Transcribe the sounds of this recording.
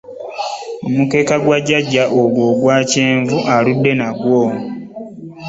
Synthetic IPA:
mumuke̞ːkaɡwaɟːaɟːaʔoɡwoːɡwaːceːɱvuʔaludːe̞naɡwo

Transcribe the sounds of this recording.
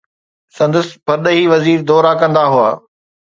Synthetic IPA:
sɐ̃nd̪əsɪ̥pɐɾd̪əɦiːʋɐziːɾd̪ɔːɾakɐ̃nd̪aɦua̰ː

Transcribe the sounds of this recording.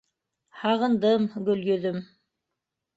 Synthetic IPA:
hɑʁɤ̆nd̪ɤmɡɵ̆lɡɵ̆ðɵm

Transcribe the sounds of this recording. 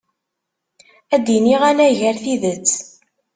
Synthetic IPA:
æd̪iniʁænæʝəɾθiðət͡sː

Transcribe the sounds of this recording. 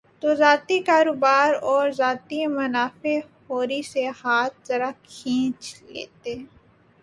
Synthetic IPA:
t̪oːzaːt̪ikaːɾoːbaːɾɔːɾzaːt̪imɐnaːfehoːɾisehaːt̪̚zɐɾakʰĩːt͡ʃlḛːt̪e

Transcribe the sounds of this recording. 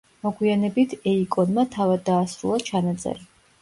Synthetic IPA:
mɔɡwianɛbit̪ʰɛikʼɔnmat̪ʰavad̪ːaːsɾulˠat͡ʃʰanat̪sʼɛ̰ɾi

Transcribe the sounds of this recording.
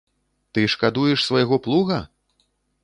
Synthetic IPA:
t̪ɨʂkad̪ujɛʂsvajaɣɔplˠuɣɐ

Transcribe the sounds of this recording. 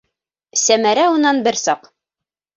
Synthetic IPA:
sæmæɾæunɑnbɘɾsɑq

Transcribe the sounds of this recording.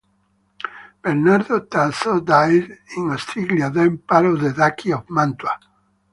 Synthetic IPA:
b̥eɾnaɾðot̪ansod̪ajdĩŋost̪ʰɾiɡljaðẽmpaɾoðeðakʰiovmãnt̪wa

